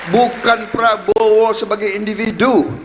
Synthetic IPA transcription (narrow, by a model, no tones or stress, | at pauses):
bukanpɾabowɔsəbaɡajindividu